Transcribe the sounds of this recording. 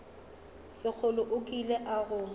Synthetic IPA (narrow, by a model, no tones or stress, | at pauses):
sɪk͡xʰʊlʊʔʊkʼileʔaɣʊ